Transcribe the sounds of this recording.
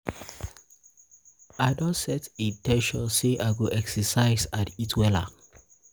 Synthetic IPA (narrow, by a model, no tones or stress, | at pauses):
aɪdɔ̃sɛtitɛ̃nʃɔ̰̃nseʔaɪɡoʔɛksɛsaɪzatitʰwɛla̰